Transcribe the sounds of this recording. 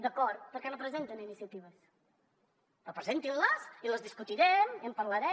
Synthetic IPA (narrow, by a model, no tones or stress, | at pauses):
d̪əkɔɾt̪̚pəɾkɛnopɾəzent̪əninisiət̪iβ̞əs | əpɾəzent̪imləsiləzðiskut̪iɾɛmiəmpəɾləɾɛ